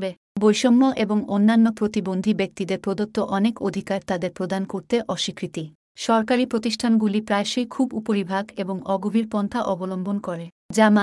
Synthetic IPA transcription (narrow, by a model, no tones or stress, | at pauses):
be | bojʃomːoʔeboŋonːanːopɾot̪ibond̪ʱibek̚t̪id̪eɾpɾod̪ot̪ːoʔɔnekod̪ʱikaɾt̪ad̪eɾpɾod̪ankoɾt̪eʔɔʃikɾit̪i | ʃɔɾkaɾipɾot̪iʃʈʰanɡulipɾaeʃejkʰubupoɾibʱaɡeboŋɔɡobʱiɾpɔnt̪ʰaʔɔbolombʱonkɔɾe | d͡ʑama